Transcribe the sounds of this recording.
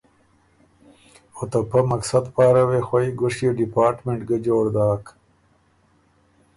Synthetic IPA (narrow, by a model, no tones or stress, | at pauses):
ot̪ɐpɐmɐksɐd̪paːɾɐwexwɐjɡʊʂjeɖipaːɾʈmeɳʈɡɐd͡ʑoːɾd̪aːk